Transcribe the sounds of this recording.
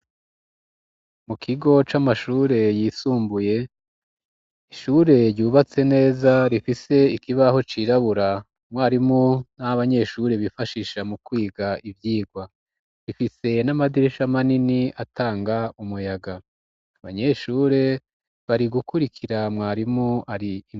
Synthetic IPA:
mukʰiɡo̞t͡ʃamaʃuːɾe̞jisuːmbuje̞ | iʃuɾe̞ɾɟuːβat͡se̞ne̞ːzaɾifise̞ikiβaɦo̞t͡ʃiɾaβuɾa | mwaːɾimunaaβaɲe̞ʃuɾeβifaʃiʃamukwiːɡaʔivjiːɡwa | ɾifise̞namadiɾeʃamaniniataːŋɡaumujaɡaː | βa̰ɲe̞ʃuːɾe̞ | βaɾiɡukuɾikʰiɾamŋaːɾimuaɾiː

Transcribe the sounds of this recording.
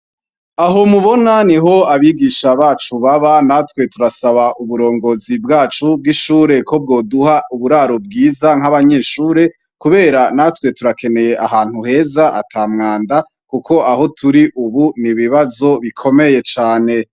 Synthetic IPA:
aɦo̞muβo̞naniɦo̞aβiːɡiʃaβaːt͡ʃuβaβanatkwe̞tuɾasaβaʔuβuɾo̞ːŋɡo̞zibɡaːt͡ʃub̚ɡiʃuːɾe̞kʰo̞b̚ɡo̞ːduhauβuɾaːɾobɡiːzaŋ̥aβaɲe̞ːʃuːɾe̞ | kuβe̞ːɾanatwe̞tuɾake̞ne̞je̞ʔaɦaːnhuhe̞zaʔa̰tʰaːmŋaːnda | kukʰo̞ʔaho̞tʰuɾiʔuβuniβiβazo̞βikʰo̞me̞je̞t͡ʃaːne̞

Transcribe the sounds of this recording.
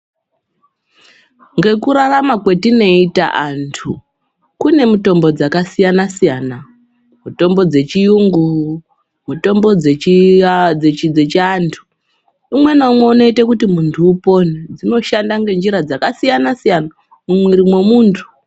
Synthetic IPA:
ŋɡe̞kuɾaramakwe̞tino̞ita̰ʔantʰu | kune̞muto̞mbo̞d͡zakasijanasijaːna | muto̞mbo̞d͡ze̞t͡ʃijuŋɡu | muto̞mbo̞d͡ze | d͡zet͡ʃid͡zet͡ʃiantʰu̥ | imwe̞naumweuno̞itekutimuntʰuːpo̞ned͡zino̞ʃandaŋɡe̞nd͡ʒiɾad͡zakasijanasijana | mumwiɾimwe̞muːntʰu̥

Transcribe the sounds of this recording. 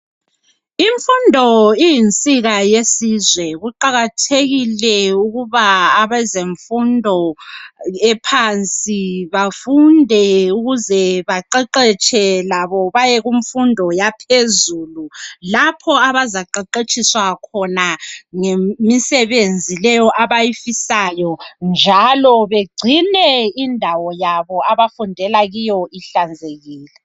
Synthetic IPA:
iɱfundʱɔijint͡sʼiɣajesizwɛɣuǃaɣatʰeɣilɛuɣuβaːβɛzeɱfundʱɔ | ɛpʰant͡sʼiβafundʱɛuɣuzɛβaǃɛǃɛt͡ʃʰʼɛlaβɔβajɛɣuɱ̩fundʱɔjapʰezuːlulapʰɔaβazaǃɛǃet͡ʃʰʼiswakʰɔnaŋemisɛβend͡zʱilɛjɔʔaβajifisajɔnd͡ʒʱalɔβeɡ͡ǀʱinɛindʱawɔjaβɔaβafundʱɛlaɣijɔʔiɬand͡zʱeɣiːlɛ

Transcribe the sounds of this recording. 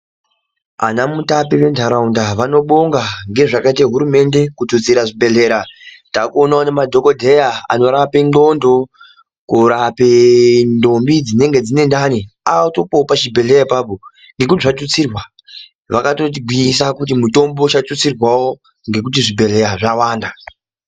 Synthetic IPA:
a̰namutapiʋe̞ndʱaɾaundaʋano̞ɓoŋɡaŋɡe̞ʐakaitaeɦuɾume̞nde̞kutut͡siɾaʐibʱe̞ɮe̞ːɾatakuonaonemadʱo̞ko̞dʱe̞jaa̰no̞ɾapenɡo̞ndo̞ | kuɾapendo̞mbid͡zine̞ŋɡe̞d͡zine̞ndaniaoto̞popaʃibʱe̞ɮe̞jaipapo | ŋɡe̞k̬utiʐatut͡sirwa | ʋakato̞t̬iɡʱwiisakut̬imuto̞mboʃatut͡sirwawo̞ | ŋɡek̬ut̬iʐibʱe̞le̞jaʐawaːnda

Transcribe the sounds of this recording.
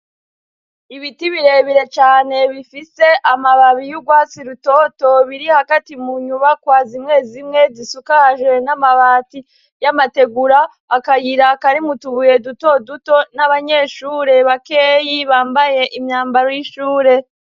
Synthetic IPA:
iβitiβiɾe̞βiɾe̞t͡ʃaːne̞βifise̞ʔamaβaβijuɡwaːt͡siɾuto̞ːto̞βiɾihaɡatimuɲuβakwaːzimŋe̞zimŋe̞zisukaʒe̞namaβaːti | jamate̞ɡuɾaː | kajiɾakaɾimutuβuje̞duto̞duto̞naβaɲe̞ːʃuːɾe̞βakeːjiβaːmbaje̞ʔimɲaːmbaɾojiʃuːɾe̞

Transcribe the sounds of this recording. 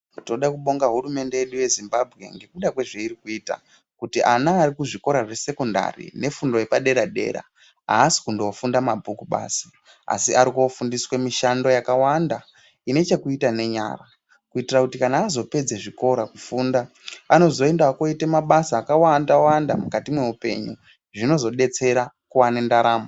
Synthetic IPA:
toɗakuɓo̞ŋɡaɦuɾume̞nde̞jeɗuje̞zimbabʱɣe̞̰ŋɡe̞kuɗakwe̞ʐe̞iɾikuiːta̰ | kutiʔanaːɾikuʐiko̞ɾaʐe̞se̞konda̰rḭne̞fundo̞jepaɗe̞ɾaɗe̞̰ɾa̰ | a̰ːsi̥kundoofundamabʱukuɓa̰ːsḁ | a̰siaɾikofundiswemiʃando̞jakawanda | ine̞t͡ʃekuitane̞ɲa̰ra | kuitirakutikanaːzo̞pe̞d͡zeʐiko̞ɾakufuːndaː | no̞zo̞e̞ndaako̞itemaɓasaːkawandawandamukatimwe̞upe̞̰ɲu | ʐino̞zo̞ɗe̞t͡se̞ɾa | kuwane̞ndaɾaːmo

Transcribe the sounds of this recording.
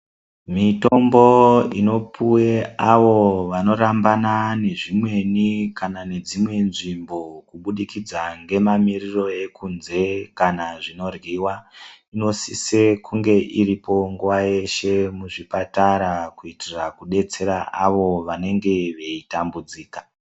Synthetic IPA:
mito̞mboino̞puweaʋo̞ʋano̞ɾambanane̞ʐimwe̞nikanane̞d͡zimwe̞nʐimbo̞kuɓuɗikid͡zaŋɡe̞mamiriro̞e̞kunze̞kanaʐino̞rɣiwaino̞sisekuŋɡe̞ʔiɾipo̞ŋɡuʋaje̞ʃe̞muʐipataɾakuitirakuɗe̞t͡se̞ɾaʔaʋo̞ʋane̞ŋɡe̞ʋe̞itambud͡ziːkḁ

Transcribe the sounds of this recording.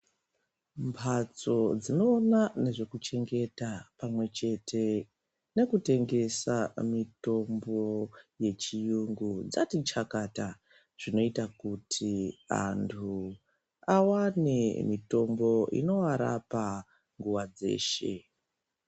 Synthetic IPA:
mpʰat͡so̞d͡zino̞ːnane̞ʐe̞kut͡ʃe̞ŋɡe̞tapamwe̞t͡ʃe̞tʰe̞ | ne̞kute̞ŋɡe̞samito̞mbo̞je̞t͡ʃijuŋɡud͡zatit͡ʃakata | ʐ̥ino̞itakutʰia̰ntʰu | awanemito̞mbo̞ḭno̞aɾa̰pa | ŋɡuwad͡ze̞̰ːʃe̞̰

